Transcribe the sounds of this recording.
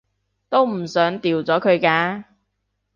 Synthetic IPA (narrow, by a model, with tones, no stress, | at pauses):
t̪o˥wm̩˨˩sœː˨˥ŋt̪iː˨wt͡sɔː˨˥kʰɵ˨˧ɥkaː˧